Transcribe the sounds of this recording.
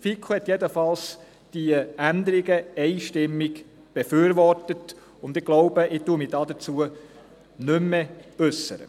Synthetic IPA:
fikʰuhɛt̪jɛd̪əfɑls | d̥iəænd̪əɾiɡəɛɪʃtɪmːiɡ | b̥ɛfyːɾʋɔrtət | ʊnd̪ɪɡ̥loʊbəʔɪtuːəmidɑːd̥̪ət͡suə | nʏmːɛʉsːə̰ɾə̰

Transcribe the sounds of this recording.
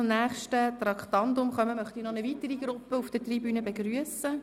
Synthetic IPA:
ʊmnæːχʃtət̪rɑkχt̪ɑndʊmχœməmœχtinɔnəvitəɾiɡɾʊpːəufd̥ətribyːnəbeɡɾyəsə

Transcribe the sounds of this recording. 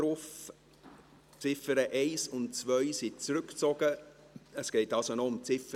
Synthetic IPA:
ɾʊf | t͡sɪfəɾəʔɛɪsʊntt͡svœʏsɪt͡sɾʏkt͡sɔɡ̥ə | əsɡ̥ɛɪtɑlsonɔʊmt͡sɪfə

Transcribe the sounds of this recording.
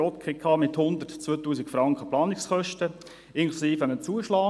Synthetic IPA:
ɔt̪kχɪkʰːɑːmɪthʊnd̪ətt͡sʋøːtuːsikfɾɑŋkχəplɑːnɪksχœʃtə | ɪnkʰlusiːfəmət͡suːəʃlɑː

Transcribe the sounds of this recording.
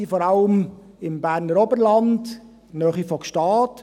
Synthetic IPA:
ifɔːɾɑləm | ɪmbæːɾnəɾɔbəɾlɑnd | nœːχifɔkʃtɑːt

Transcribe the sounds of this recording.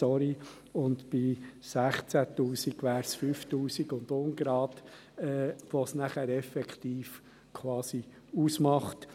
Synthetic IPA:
ɔɾi | ʊnd̪b̥ɪsæχt͡sæt̪uːsiɡʋæːɾsfyːft̪uːsiɡʊnd̪ʊnɡɾɑːd̪ | ɛːʋɔsnæχæɾɛfɛkχt̪iːf | kʰwɑːsi | usmɑχt

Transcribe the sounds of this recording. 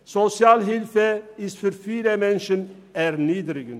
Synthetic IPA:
sɔsɪɑːlɦɪlfəɪst̪fɔɾfiːləmɛnʃən | æɾniːd̪ɾɪɡən

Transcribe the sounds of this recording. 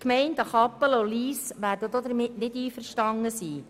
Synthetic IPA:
kmɛɪntɑχɑpəloliːsʋæːɾdədɔd̪əɾmɪtnɪdiːfəɾʃtɑŋəsiː

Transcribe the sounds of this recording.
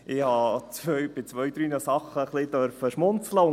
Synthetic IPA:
ɪhɑːt͡sʋœjb̥ɪt͡sʋœjd̥̪ɾyːnəsɑχːəχlɪd̪œɾfəʃmʊnt͡sləʊ

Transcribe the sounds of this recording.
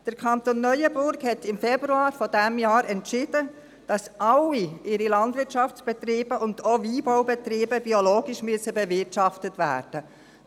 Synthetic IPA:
d̥əɾkʰɑnt̪onːœʏəbʊɾkhɛtɪmfɛb̥ɾuɑːɾfɔdɛmjɑːɾɛntʃɪd̥ə | d̥ɑsʔɑlːiɪɾilɑndvɪɾtʃɑft͡sb̥ɛtɾiːb̥əʔʊndoːiːbaʊbɛt̪ɾiːbəb̥ioloːɡiʃmyəsəbɛvɪtʃɑftətvæ̰ːɾd̥ə

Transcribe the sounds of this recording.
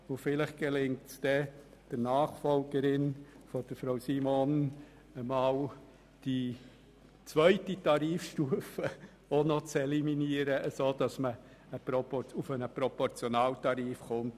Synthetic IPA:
ʊfɪləχɡ̥ɛlɪŋktsd̥ɛd̥ənɑːχfɔlɡəɾɪnfɔd̥əɾfɾaʊsimɔn | əmɑːl | d̥i | t͡sʋœʏtitɑɾiːfʃtuəfə | onɔt͡sɛliminiəɾəʔəsoːd̥ɑsmə | əpɾɔpɔufənəpɾɔpɔɾt͡sjɔnɑːltɑɾiːfχʊnt

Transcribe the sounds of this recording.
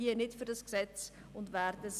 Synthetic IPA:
iːənɪtfyːrdɑsɡ̥sɛt͡s | ʊntværdəz

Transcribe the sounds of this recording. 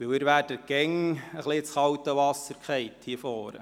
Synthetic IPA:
ʋɪwɪɾʋæːdəɡ̥ɛŋəχlit͡sχɑwtəʋɑsəɾkχɛɪthiːəfɔːɾə̰

